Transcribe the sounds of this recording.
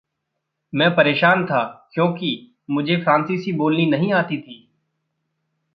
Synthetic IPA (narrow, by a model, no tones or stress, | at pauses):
mɛ̃ːpɐɾeːʃaːnt̪ʰaːkjõːki | mʊd͡ʒʱefɾãːnsisiboːlninɐɦĩaːt̪it̪ʰiː